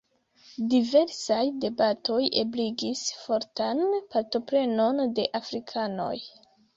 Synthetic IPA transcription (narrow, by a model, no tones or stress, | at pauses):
dive̞ɾsajde̞bato̞jebliɡisfo̞ɾtanpaɾto̞pɾe̞no̞nde̞ʔafɾikʰano̞̰j